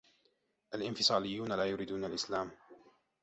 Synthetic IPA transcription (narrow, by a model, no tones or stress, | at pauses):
ʔalʔɪnfɪsˤɑːlɪjːuːnalaːjʊɾiːd̪uːnalʔɪslaːm